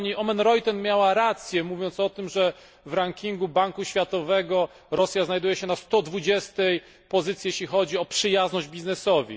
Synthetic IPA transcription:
ɲiʔɔmɛnɾɔjt̪ɛnmjawaɾat̪sʲjɛmuvʲjɔnt̪sɔt̪ɘmʐɛ | vɾaŋkʲiŋɡubaŋkuɕfʲjat̪ɔvɛɡɔ | ɾɔsʲjaznajd̪ujɛɕɛnast̪ɔd̪vud͡ʑɛst̪ɛj | pɔzɘt̪sjijeɕlʲixɔd͡ʑiɔpʂɘjaznɔʑd͡ʑbʲiznɛsɔvʲḭ

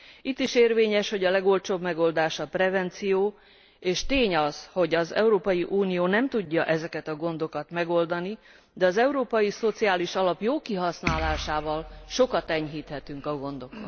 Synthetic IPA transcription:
it̪ːiʃeːrveːɲɛʃho̞ɟɒlɛɡo̞lt͡ʃoːbmɛɡo̞ld̪aːʃɒprɛvɛnt̪sijoː | eːʃt̪eːɲɒzho̞ɟɒzɛ̰uɾoːpɒjiʔuːnijoːnɛmt̪uɟːɒʔɛzɛkɛt̪ɒɡo̞nd̪o̞kɒt̪mɛɡo̞ld̪ɒni | d̪ɛɒzɛuɾoːpɒjiso̞t̪siaːliʃɒlɒpjoːkiɦɒsnaːlaːʃaːvɒlʃo̞kɒt̪ɛɲɦiːt̪hɛt̪yŋkɒɡo̞nd̪o̞kon

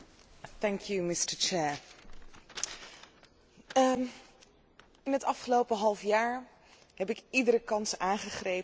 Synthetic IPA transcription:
θɛŋkʰjumɪstəɹt͡ʃɛɹ | ɪnɦətɑfχəlowpəɦɑlˠfjaːɹ | ɦɛpɪkidəɾəkɑnsaːŋχəχrej

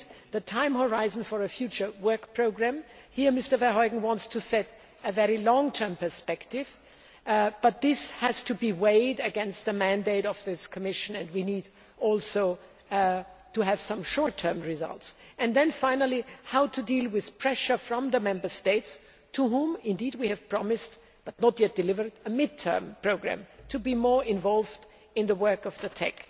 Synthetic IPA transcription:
ðɨtʰãɪ̃mhə˞aɪzn̩fə˞ɨfjʉt͡ʃə˞wɜ˞kpʰɹ̥oʊɡɹæ̃mhiɹmɪstə˞vɛhɔɪɡŋ̩wɑ̃ntstʰɨsɛɾ | ɨvɛɹilɔ̃ŋtʰɜ̃˞mpə˞spɛktɪv̥ | b̥ʌt̪̚ðɪshɨz̥tʰɨbiweɪdɨɡɛ̃nst̪̚ðɨmæ̃ndeɪɾʌvðɪskʰɨmɪʃɨ̃nɨ̃nd̚winid | ʔɔlˠsoʊ | tɨɨv̥sʌ̃mʃɔɹtʰɜ̃˞mɹɪzʌ̰lˠts | ɨ̃nðɨ̃nfãɪ̃nəl̩ˠihaʊtʰɨdilˠwɪð̥pʰɹ̥ɛʃə˞fɹʌ̃mðəmɛ̃mbə˞steɪts | tʰəɦũmɪ̃ndid̚wiɨv̥pʰɹ̥ɑmɪst | b̥ʌtⁿnətjɛt̚d̥ɨlɪvə˞dəmɪd̚tʰɜ̰˞mpʰɹ̥oʊɡɹæ̰̃mtʰɨbimɔɹɪ̃ɱvɑlˠvd | ɨ̃nðəwɜ˞kʌvðɨtʰɛ̰k

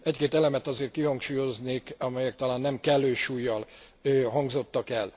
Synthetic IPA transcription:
ɛckeːt̪ɛlɛmɛt̪ɒzeːrt̪̚kiɦɒŋkʃuːjo̞zneːkɒmɛjɛk̚t̪ɒlaːnːɛmkɛlːøːʃuːjːɒl | øɦɒŋɡzo̞t̪ːɒkɛl

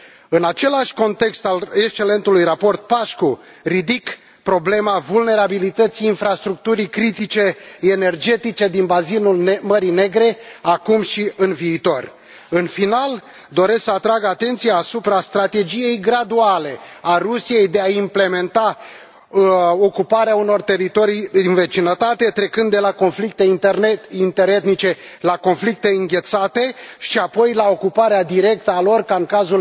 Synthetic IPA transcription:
ɨnat͡ʃe̞laʃʲko̞nt̪e̞kst̪alekst͡ʃe̞le̞nt̪ulujrapo̞rt̪̚paʃko | rid̪ik | pɾo̞ble̞mavulne̞ɾabilit̪ət̪siːnfɾast̪ɾuk̚t̪uɾikɾit̪it͡ʃe̞ene̞rd͡ʒe̞t̪it͡ʃe̞d̪inbazinulməɾine̞ɡɾe̞akumʃiɨnviːt̪o̞r | ɨnfinal | d̪o̞ɾe̞sksəat̪ɾaɡat̪e̞nt̪sijaːsupɾast̪ɾat̪e̞d͡ʒije̞jɡɾad̪uale̞arusije̞jd̪e̞aimple̞me̞nt̪a | o̞kupaɾeauno̞rt̪e̞ɾit̪o̞ɾijd̪inve̞t͡ʃinət̪at̪e̞t̪ɾe̞kɨnd̪ːe̞lako̞nflik̚t̪e̞iint̪e̞ɾe̞t̪nit͡ʃe̞lako̞nflik̚t̪e̞ɨŋɡʲe̞t̪sat̪e̞ʃiapo̞jlao̞kupaɾead̪iɾe̞k̚t̪əalo̞rkaɨŋkazul

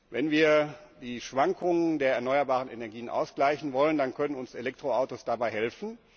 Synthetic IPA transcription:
vɛnviːɐ | diːʃv̥aŋkʰʊŋəndeːɐɛɐnɔʏɐbaːʁ̞ənʔenɛɐɡiːənʔa̰ʊsɡ̥laɪçn̩vɔləndankʰœnənʊnselɛk̚tʁ̥oaʊtosd̥abaɪhɛlfn̩

